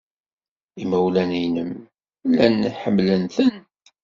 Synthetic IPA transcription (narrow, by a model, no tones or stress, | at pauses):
iməwlænijnəm | lːæniħəmːlənθən